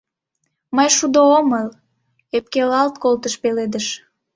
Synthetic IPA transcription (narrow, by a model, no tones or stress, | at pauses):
məjʃud̪ooməl | ep̚kelɑlt̪̚kolt̪əʃpeled̪əʃ